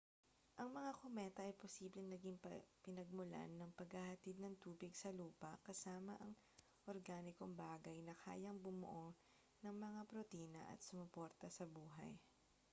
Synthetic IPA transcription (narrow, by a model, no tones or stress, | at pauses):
ʔɐŋmɐŋakomɛt̪ɐʔɐjposiːblɛŋnɐɡiŋpɐpɪnɐɡ̚mʊla̰nːɐŋpɐɡhɐhɐt̪id̪̚nɐŋt̪uːbɪɡsɐluːpɐkɐsaːmɐʔɐŋ | ʔoɾɡaːnɪkoŋbaːɡɐjnɐkʰa̰ːjɐŋbʊmʊ̰ʔo | nɐŋmɐŋapɾot̪iːnɐ̰ʔɐ̰t̪̚sʊmʊpoɾt̪ɐsɐbuːɦɐ̰j